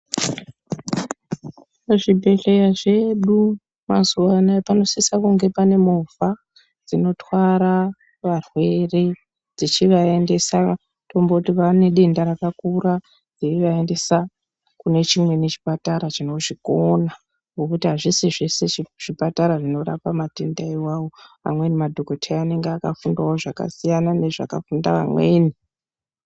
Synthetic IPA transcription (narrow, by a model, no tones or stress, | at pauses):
ʐibʱe̞ɬe̞jaʐe̞ɗu | mazuʋanaapano̞sisakuŋɡe̞pane̞mova | d͡zino̞twaɾa | ʋarwe̞re̞ | d͡zit͡ʃiʋae̞nde̞sa | to̞mbotiʋane̞ɗe̞ndaɾakakura | d͡ziiʋaende̞sa | kune̞t͡ʃimwe̞net͡ʃi̥pataɾat͡ʃino̞ʐikona | ŋɡokutiɦaʐisiʐe̞se̞iʐ̥ipataɾaʐino̞ɾapamatendaiwawo̞a̰mwe̞nimadʱokotʰeaːne̞ŋɡakafundwaoʐaka̰sijanane̞ʐa̰kafundaʋa̰mwe̞ːni